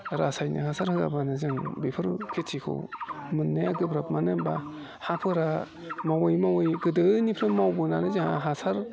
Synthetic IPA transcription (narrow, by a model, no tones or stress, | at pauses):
ɾasajna̰ɦasʰaɾhɯɡabanɯzɯŋbipʰɯɾkʰetʰikʰɯ̰wmɯnːeaɡɯbɾap̚manemba | hapʰɯɾa | mawɯjmawɯjɡɯdɯnipʰɾɯmawbɯnanɯzaaɦasaɾ